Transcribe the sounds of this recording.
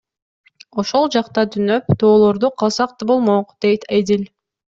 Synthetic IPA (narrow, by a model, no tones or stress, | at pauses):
o̞ʃolˠd͡ʒɑqt̪ɑt̪ʰynø̞pt̪ʰo̞ːlˠo̞ɾd̪uqʰɑlˠsɑq̚t̪ɯbo̞lˠmoqd̪̥e̞jt̪ʰajd̪ilʲ